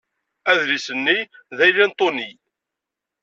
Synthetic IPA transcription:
æðɾisənːiðæjlint̪ˤoni

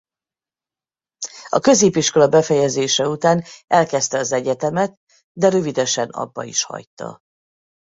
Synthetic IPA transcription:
ɒkø̞zeːpiʃko̞lɒbɛfɛjɛzeːʃɛut̪aːnʔɛlkɛst̪ɛɒzɛɟɛt̪ɛmɛt̪̚ | d̪ɛɾø̞vid̪ɛʃɛnɒ̰bːɒ̰ḭʃhɒ̰jt̪ɒ̰

